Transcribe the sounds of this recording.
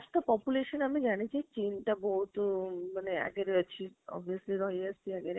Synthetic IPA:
asʈapɔpuleʃɔnamid͡ʑanit͡ʃʰit͡ɕinʈabɔɦut̪manea̰ɡeɾeat͡ɕʰiɔ̰bʱiəsliɾɔjasʈiɛɡeɾ

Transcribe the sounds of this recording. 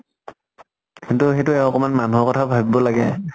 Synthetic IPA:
kintuxetʊɛɔkɔmanmanuɔkɔtʰabʱabibɔlaɡɛ

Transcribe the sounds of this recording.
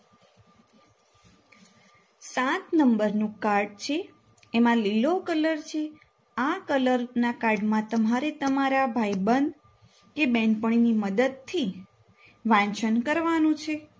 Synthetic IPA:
sãt̪nəmbəɾnũkaɾɖ̚t͡ʃʰeː | mãlilokələɾt͡ʃʰe | akələɾnakaɾɖmãt̪əmaɾet̪əmaɾabʱajbənd̪ | kebɛ̃ɳpəɳ̃iniməd̪əd̪̚t̪ʰi | ʋãnt͡ʃʰənkəɾʋanũt͡ʃʰe

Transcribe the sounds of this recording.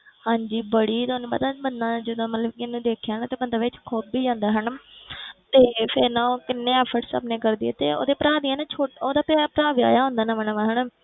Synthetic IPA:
hãːɲd͡ʒiːbəɽiːt̪oːnũːpət̪aːbənd̪ãːd͡ʒəd̪õːmət̪ləbkɪnũːd̪eːkʰjaːnaːt̪eːbənd̪aːʋɪt͡ʃkʰoːbiːd͡ʒãːnd̪aːɦən | t̪eːpʰɪɾnãːkɪnːẽːɛːpʰəʈsə̰bnẽːkəɾd̪iːɛ̰ːt̪ḛːo̰ːd̪eːpəɾaːd̪iːɛːnaːt͡ʃʰoːʈoːd̪aːpapəɾaːʋia̰ːjaːɦõːnd̪aːnaːmənːʋaɦəɳ

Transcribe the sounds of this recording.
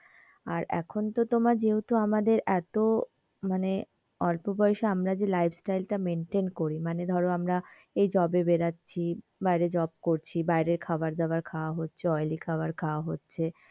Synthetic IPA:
aɾɛ̰kʰont̪ot̪omad͡ʑeut̪oamad̪eɾɛt̪o | mane | ɔlpobɔeʃeamɾad͡ʑelajpʰsʈajlʈameɳʈenkoɾimaned̪ʱɔɾoamɾa | ejd͡ʑɔbebeɾatːɕʰi | bajɾed͡ʑɔb̚koɾt͡ɕʰibajɾeɾkʰabaɾd̪ɛoaɾkʰaoaɦotːɕʰeɔjlikʰaoaɾkʰaoaɦotːɕʰe

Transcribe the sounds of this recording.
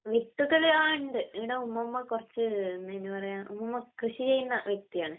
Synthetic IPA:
ʋiʈːuɣɐɭeaːɳɖɨiɽeumːɐmːɐkurɐt͡ɕːɨnːenːɨpɐrɐjaːʔumːɐmːɐkrɨɕit͡ɕejːunːɐʋjek̚t̪ijaːɳɨ

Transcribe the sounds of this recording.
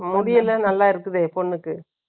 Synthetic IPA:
mʊðɪjɪlːɐnɐlːaːɪɾɯkːɯðeːpɔɳːɯkːɯ

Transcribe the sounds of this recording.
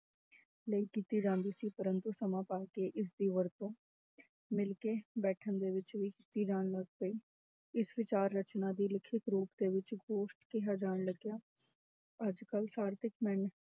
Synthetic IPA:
ləiːkiːt̪iːd͡ʒãːnd̪iːsiːpəɾənt̪uːsəmãːpaːkeːʔɪsd̪iːʋəɾt̪õː | mɪlkeːbɛːʈʰənd̪eːʋɪt͡ʃʋiːkiːt̪iːd͡ʒaːɳləɡ̚pəiː | ɪsʋɪt͡ʃaːɾːət͡ʃnãːd̪iːlɪkʰːɪkɾuːpd̪eːʋɪt͡ʃɡoːʃʈkiɦaːd͡ʒaːɽləɡjaː | əd͡ʒkəlsaːɾt̪ɪkmɛ̃n

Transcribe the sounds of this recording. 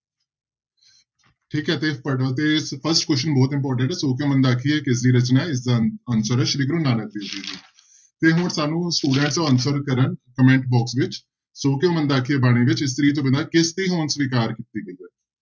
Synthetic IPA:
ʈʰiːkɦɛːt̪eːpət̪eːɪspʰəɾsʈkwɛsʈənbɔːt̪ɪ̃mpɔːɾʈ̬ə̃ɳʈɛːsoːk̬ejõːmə̃nd̪aːkʰieːkɪs̬ɾiːɾət͡ʃnaːɪs̬d̪aːənsəɾəːʃɾiːɡɾũːnãːlaːd̪iːziːd̪iː | t̪eːɦʊnsaːnũːsʈuːɖẽːɳʈsɔːʋənsəɾkəɾənkəmɛ̃ɳʈbɔːksʋɪt͡ʃ | soːkejõːmə̃nd̪aːkʰieːbaːɽ̃eːʋɪt͡ʃɪst̪ɾiːt̪̬õːbə̃nd̪aːkɪst̪iːɦoːnsʋɪkaːɾkɪt̪iːɡəizaː

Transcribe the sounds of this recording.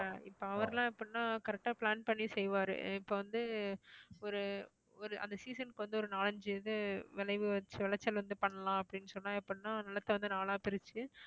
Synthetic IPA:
aɪpːoːɐʋɐɾɐlãːɛpːɐɽɪnːaːkɐɾɛk̚ʈaːpɭaːnpɐɳːisɛjʋaːɾɯ̰ɪpːoːʋɐnd̪ɯ | ɔɾɯ | ɔɾɯʔɐ̰nd̪ɐsiːsɐnkʋɐnd̪ɯɔɾɯnaːlɐɲd͡ʒɯðɯʋɪlɐɪʋɯʋɐt͡ʃːɯʋɪɭɐt͡ʃːɐlʋɐnd̪ɯpɐɳːɐlãːɐpːɐɽɪnːɯsɔnːãːɛpːɐɽnːaːnɪlɐt̪ːɐʋɐnd̪ɯnaːlaːpɪɾɪt͡ʃːɯ

